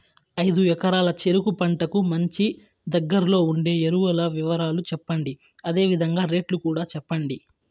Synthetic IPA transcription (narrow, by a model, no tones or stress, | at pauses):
ɐjd̪uɛkɐɾaːlɐt͡ʃe̞ɾukupɐɳʈɐkumɐɲt͡ʃi | d̪ɐɡːɐɾlo̞ːuɳɖe̞ːeɾuʋɐlɐʋiʋɐɾaːlut͡ʃɛpːɐɳɖi | ɐd̪e̞ːʋid̪ʱɐŋɡaːɾe̞ːʈlukuːɽaːt͡ʃɛpːɐɳɖi